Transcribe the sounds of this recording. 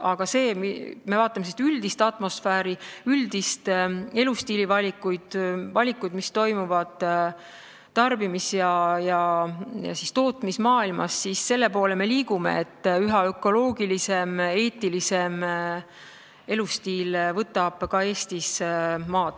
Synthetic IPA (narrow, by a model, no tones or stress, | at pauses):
ɑɡ̥ɑse̞ːmime̞vɑːt̪ːˑɑmesist̪yld̪ist̪ɑt̪ˑmo̞sfæːɾiyld̪ist̪e̞lust̪iːlivɑlʲikːujd̪̥vɑlʲikːˑujd̪mist̪o̞jmuvɑd̪̥ | t̪ɑrbimisjɑjɑjɑ̰sist̪oːt̪mismɑːilmɑ̰sːisse̞lːe̞po̞ːleme̞liːɡumḛet̪ːyɦɑø̞kˑo̞lo̞ːɡ̥ilise̞me̞ːt̪ːˑilise̞m | e̞lust̪iːlvɤt̪ːˑɑb̥kɑe̞ːst̪ismɑːd̪̥